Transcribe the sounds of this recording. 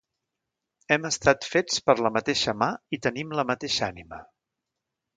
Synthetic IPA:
ɛməst̪at̪fet͡spəɾləmət̪eʃəmait̪ənimləmət̪eʃanimə̰

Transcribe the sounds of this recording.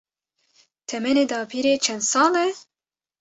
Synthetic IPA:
t̪ʰɛmɛneːd̪ɑːpʰiɾeːt͡ʃʰɛnd̪sɑːlɛ

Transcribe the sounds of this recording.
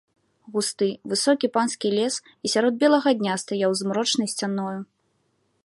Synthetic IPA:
ɣust̪ɨvɨsɔkʲipanskʲilʲɛs | isʲaɾɔd̪̚bʲɛlˠɐɣɐd̪ʲnʲast̪ajawzmɾɔt͡ʂnɐjsʲt͡sʲanɔju

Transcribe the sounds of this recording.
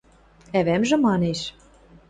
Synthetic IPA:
æβæmʒɘ̆mɑneʃ

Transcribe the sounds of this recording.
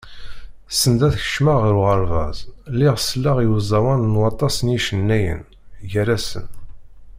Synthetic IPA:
sənd̪æθçə̥ʃmaʁəɾuʁəɾˤvɑ̰zˤlːiʁslːaʁjuzˤɑwænnwɑt̪ˤːɑsənjiʃənːæjə̰n | ʝəɾæsə̰n

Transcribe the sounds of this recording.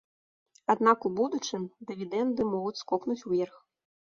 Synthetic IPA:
ad̪nakubud̪ut͡ʂɨmd̪ɨvʲid̪ɛnd̪ɨmɔɣut͡sʲskɔpnut͡sʲuvʲɛrx

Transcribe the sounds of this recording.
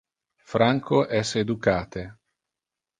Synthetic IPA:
fɾaŋkʰoʔɛsed̪ukaːt̪e

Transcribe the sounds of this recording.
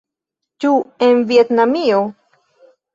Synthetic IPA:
t͡ʃuenviet̪namio

